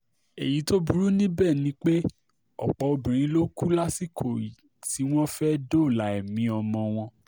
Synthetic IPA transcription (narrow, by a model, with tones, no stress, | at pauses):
e˨ji˨˦to˦bu˦ɾu˦nĩ˦bɛː˦˨nĩ˧˦k͡pe˦ | ɔ˨k͡pɔ˨˦o˧bĩ˨ɾ̃ĩ˨˦lo˦ku˦la˦si˦˨kʰo˨ji˨ | ti˨˦w̃ɔ̃˦fɛ˦do˦˨la˨˦ɛ˨mĩ˨˦ɔ˧mɔ̃˧w̃ɔ̃˧